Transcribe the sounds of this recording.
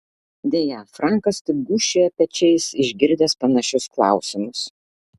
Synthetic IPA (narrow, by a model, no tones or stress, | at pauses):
d̪ʲeːjæfɾɑˑŋkɐst̪ʲɪɡʊʃʲeːɛpʲɛt͡ʃʲɛɪsɪʒʲɡʲɪɾʲd̪ʲɛspɐnɐʃʲʊsklˠɑ̰ˑʊsʲɪmʊs